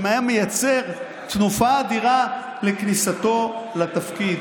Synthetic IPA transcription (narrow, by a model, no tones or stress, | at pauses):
majame̞jat͡se̞ʁ | t̪nufaːd̪iʁa | le̞knisat̪o̞lat̪afkid